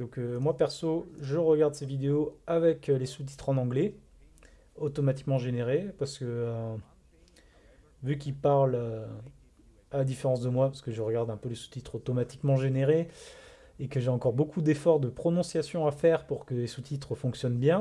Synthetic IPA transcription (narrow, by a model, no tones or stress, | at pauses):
d̪ɔ̃kømwapɛʁsoʒəʁəɡaʁd̪sevid̪eoavɛklesut̪̬i̥t̪χɑ̃nɑ̃ɡlɛ | ot̪ɔmat̪i̥kmɑ̃ʒeneʁepaʁsə̥kəø | vykʲilpaʁlø | ad̪ifeʁɑ̃sd̪əmwapaʁsə̥kəʒəʁəɡaʁd̪ɛ̃pølesu̥t̪it̪χot̪ɔmat̪i̥kmɑ̃ʒeneʁe | ekəʒeɑ̃kɔʁbokʰud̪efɔʁd̪əpχɔnɔ̃sjasjɔ̃afɛʁpuʁkəlesut̪ʰit̪χəfɔ̃ksjɔnbjɛ̃